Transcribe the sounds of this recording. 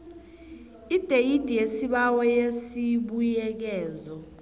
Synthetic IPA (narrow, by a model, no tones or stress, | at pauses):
id̥ʱejid̥ʱijesiɓawɛjesiɓujɛk̬ɛːzɔ